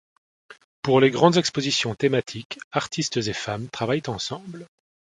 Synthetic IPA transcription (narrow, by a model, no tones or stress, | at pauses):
puʁleɡʁɑ̃d̪zɛkspozisjɔ̃t̪emat̪ʰikaʁt̪ʰist̪zefamt̪χavajt̪ɑ̃sɑ̃bl